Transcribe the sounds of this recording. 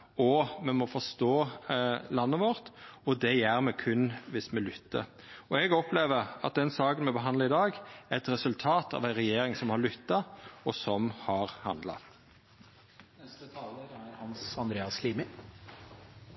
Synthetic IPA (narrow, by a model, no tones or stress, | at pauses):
ɔmɛmɔfɔst̪oː | lɑnːəʋɔɾt̪ɔd̪ɛjæːɾmɛkʰʉnːʋɪsmɛlʏt̪ːə̰ɾ | ɔɛɡɔpʰleːʋəɾɑ̰t̪̚d̪ɛnsɑːkənmɛbəɦɑnlɑɪd̪ɑːɡɛɛt̪ɾɛsʉlt̪ʰɑːt̪ʰɑ̰ʋæɪnʁɛjeːɾɪŋsɔmhɑɾɭʏt̪ːɑɔsɔmhɑɾhɑ̰nd̪lɑ̰ | nɛst̪ət̪ʰɑːləɾæɾhɑnsɑnd̪ɾeːɑsliːmɪ